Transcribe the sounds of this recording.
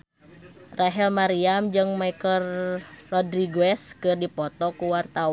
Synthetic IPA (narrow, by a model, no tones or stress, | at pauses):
raɦɛlmaɾiamd͡ʒɨŋmaikərːɔdɾiɡuɛskɨrdipɔt̪ɔkuwart̪a